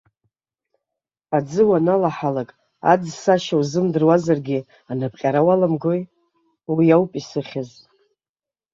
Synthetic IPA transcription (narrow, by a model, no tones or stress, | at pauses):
ad͡zɨwanalaħalakʼ | a̰d͡zsaʃawzɨmdɨrwazarɡʲi | anɨpʰʼqʲʼaɾawalamɡoj | wijawpʼisɨχʲɪz